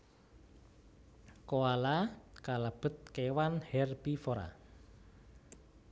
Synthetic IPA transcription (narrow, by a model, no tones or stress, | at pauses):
koalakalab̥ə̤t̪̚kewanhɛrb̥ifoɾa̰